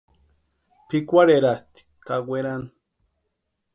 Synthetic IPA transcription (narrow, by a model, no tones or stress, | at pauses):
pʰikʷaɾeɾast̪i̥kaɡʷeɾan